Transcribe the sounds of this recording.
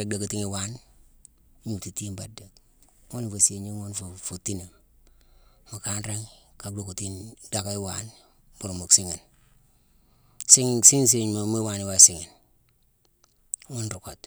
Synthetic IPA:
e˨ɡ̚da˨ku˨ti˦ŋi˨wa˦n˦ | ɲu˨ti˨ti˦nba˨da˨k | ŋo˦ni˨fo˨si˦e˨ɲi˦ŋo˦nfu˨fu˨ti˦ne˨ | ma˨ka˦nɾe˦ŋka˨k̚do˦ku˨ti˦nda˦ka˦i˦wa˨n | bu˨ɾmu˨ksi˦ŋi˨n | si˦ŋsi˦ns̬i˦˨ɲmo˨mu˦wa˨ni˨wa˦˨si˨ŋi˨n | wu˦nɾu˨ko˨t

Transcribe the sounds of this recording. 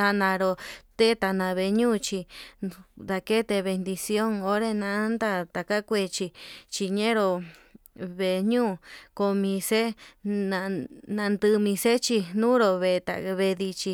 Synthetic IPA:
a˧nã˧ɾo˧t̪e˦t̪a˧˨nã˧βe˧ɲũː˦˧t͡ʃi˧ | d̪a˧ke˦t̪e˧βe˧nd̪i˧sjo˦ŋo˧˦ɾe˧nã˧˦nd̪a˦˧t̪a˨ka˦kʷe˧˨t͡ʃi˧t͡ʃi˧ɲẽ˦ɾo˧ | βe˧ɲũː˦˨ko˧mĩ˧se˦nã˧nã˧nd̪ɨ˧mĩ˧se˦t͡ʃi˧nũ˦ɾo˧βe˧t̪a̰˨βe˧ði˧t͡ʃi˧

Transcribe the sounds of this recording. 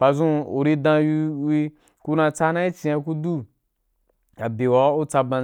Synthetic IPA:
pa˨zũ˦o̰˨ɾi˧dã˧ji˧wi˧ | ku˧nã˧t͡sa˦nã˦i˦t͡ʃi˧a˧ku˦du˦ | a˨be˨wa˨˦u˦t͡sa˧bã˧

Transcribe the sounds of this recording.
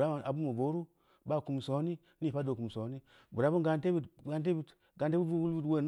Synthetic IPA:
ɾa˦ma˨a˨bu˦mu˨vo˨˦ɾu˦ | ba˦˨ku˨m˨so˨˦ni˦ | ni˦˨pa˦do˨ku˨m˨so˨˦ni˦ | bu˨ɾa˨˦bu˦ɡa˨n˦e˦bi˦ɡa˦nt̬e˦bi˨t | ɡa˨n˦te˦u˦u˦bu˦lu˦twe˦˨n

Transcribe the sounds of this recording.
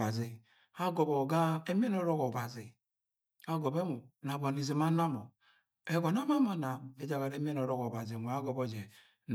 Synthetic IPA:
a˨zi˨ | a˦ɡo˨bo˨ɡa˦e˦m˦e˦n˦o˦ɾo˦ko˨ba˨zi˨ | a˦ɡo˨be˦mo˨na˨ba˨ni˨ze˨ma˦na˦mo˨ | e˦ɡo˨n˦a˦ma˦ma˨na˨e˦d͡ʒa˨ɣa˨ɾe˦m˦e˦no˨ɾo˦ko˨ba˨zi˨mo˨a˦ɡo˨bo˦˨d͡ʒe˨ | n

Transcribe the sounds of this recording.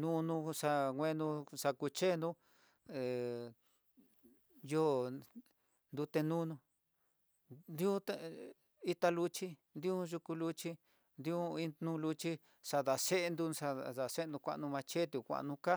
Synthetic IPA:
nũ˦nũ˧ʂa˧ŋʷ˧ẽ˦nd̪ũ˧ʂa˧ku˧t͡ʃe˦˧nd̪ũ˦ | e˨ | jo˦ | nd̪u˧t̪e˧nũ˦˧nũ˧ | nd̪i˦u˦t̪a˧ | i˦t̪a˧lu˧t͡ʃi˦nd̪i˦u˦ʒu˧ku˧lu˧t͡ʃi˧ | nd̪i˧u˦i˧nũ˧lu˧t͡ʃi˦ | ʂa˧ða˨se˦ʔe˧nd̪ũ˧ʂa˧ða˨˧se˦˧nd̪ũ˧kʷa̰˧ʔnũ˧mã˧t͡ʃe˦t̪u˧˨kʷa̰˧ʔnũ˧ka˦

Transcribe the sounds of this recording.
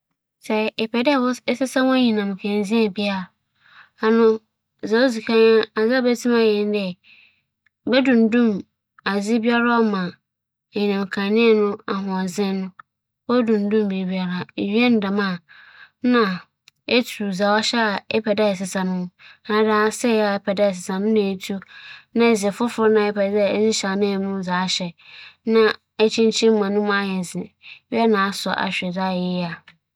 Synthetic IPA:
sɛ˦ɪ˨pʰɛ˨dɛ˦˨wɔ˦sɪ˦sã˦wʊ̃˦ɲĩ˨nã˨m˨kʰã˨n˦zĩ˦a˨bi˦a˦˨ | a˨nʊ̃˦ | za˨wo˦zi˨kʰã˦ɲa˦a˨za˦bɛ˦tʰĩ˦ma˨jɛ˨n˦dɛ˨ | bɛ˦dũ˨n̩˨˦dũ˦˨m | a˨zi˦bi˦a˦ɾa˦ɔ˦mã˨ | ɲi˨nã˨m˨kʰã˨nɪ̃˦ɛ˨nʊ̃˦a˨ɦʊ̃˨a˨zɪ̃˦nʊ̃˦ | wɔ˦dũ˨n̩˨˦dũ˦m˨be˨bi˨a˨ɾa˨ɥi˦ɛ˦n˦da˨mã˦˨ | nã˨ | e˦tʰu˨za˨wɔ˦ɕɛ˦a˨ɛ˦pʰɛ˨dɛ˦ɛ˨sɪ˨sã˨nʊ̃˦na˨˦daː˦sɛ˦˨ja˨˦pʰɛ˨dɛ˦ɛ˨s̬ɪ˨sã˨nʊ̃˦nã˨e˦tʰu˦nã˦˨zɪ˨ɛ˨fʊ˦fʊ˦nã˦ɛ˦pʰɛ˨dɛ˦˨˦nɪ˦ɕa˨mɪ̃˦ɛ˨nũ˦za˨˦ɕɛ˨nã˦ | ɛ˦t͡ɕʰĩ˦nt͡ɕʰĩ˦m˦mã˨nʊ̃˦mã˦jɛ˨zɪ̃˨ɥɛ˦nã˨˦sɔ˨ʔa̰˨ɕᶣɛ˨da˦˨jɪ˦a˨

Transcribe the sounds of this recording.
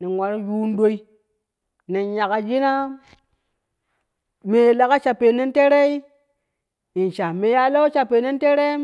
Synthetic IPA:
ni˨nwa˨ɾju˦n˦do˦i˦ | ne˨nja˨ka˨d͡ʒi˦na˦ | me˨la˦ka˦t͡ʃa˨pe˨ne˦nte˦ɾe˦i˦ | i˨nʃa˨me˨ja˦lo˦t͡ʃa˨pe˨ne˦n˦te˦ɾe˦

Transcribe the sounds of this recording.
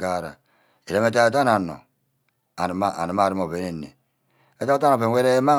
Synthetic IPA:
ɡa˦˨ɾa̰˨ | e˨ɾe˦me˦t̬a˦e˦t̬a˦na˨nːo̰˨ | a˨n˨ma˦a̰˨ni˨m˦a˦˨ɾi˦mo˨βe˦ne˦˨nːḛ˨ | e˦ta˦ta˦na˨pe˨˦we˦ɾe˦ma˦

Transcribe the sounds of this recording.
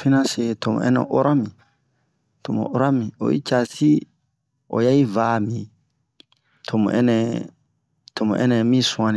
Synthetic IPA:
fi˦nã˦se˨to˨mo̰˨ɛ̰̃˦nɛ̰̃˨ʔo˦ɾa˦mĩ˨ | to˨mõ̰˨ʔo˦ɾa˦mĩ˨o̰˨ḭ˦t͡ʃa˨si˦ | o̰˨ja˦i˦vaː˦mĩ˨ | tʰo˨mõ̰˨ʔɛ̰˦nɛ˨ | tʰo˨mõ̰˨ʔɛ̰˦nɛ̃˨mĩ˦sũ˦ã˧nĩ˨

